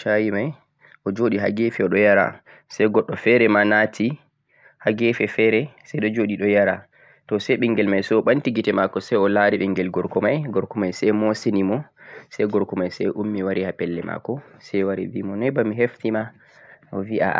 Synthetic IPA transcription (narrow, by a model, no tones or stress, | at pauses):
ʃajimaj | ʔɔd͡ʒoɗiɦa̰ɡɛfiɔɗɔjaɾa̰ | sɛjɡɔɗːɔfɛɾɛmanatʰi | haɡɛfɛfɛɾɛsɛjɗɔd͡ʒoɗiɗɔjaɾa | tɔsɛjɓɛŋɡɛlmajsɛɔɓantiɡitɛmakɔsɛjɔlaɾiɓɛŋɡɛlɡɔɾkɔmajɡɔɾkɔmajsɛjmɔsenimɔsɛjɡɔɾkɔmajsɛjʔumːiwaɾihapɛlːɛma̰kɔsɛwaɾḭvimɔnɛjbamiɦeftima | ɔviʔa̰